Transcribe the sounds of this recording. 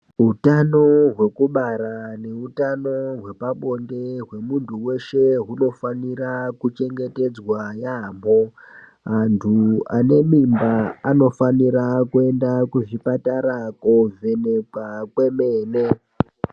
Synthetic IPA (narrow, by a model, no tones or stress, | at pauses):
ɦutano̞ɦwe̞kuɓaɾane̞utano̞ɦwe̞paɓo̞ndeɦwe̞muntʰuwe̞ʃe̞ɦuno̞fanirakut͡ʃe̞ŋɡe̞te̞d͡zwajaːmbo̞ | antʰuane̞mimbaano̞faniɾakue̞ndakuʐipataɾakove̞nekwakwe̞meːne